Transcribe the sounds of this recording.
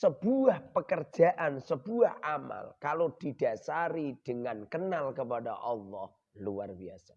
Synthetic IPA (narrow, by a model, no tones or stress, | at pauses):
səb̥uahpəkər̥d͡ʒa̤ʔansəb̥uahama̰lkalod̥id̥a̤saɾid̥əŋankənalkəpada̰ʔɑlːɔh | luarbiasa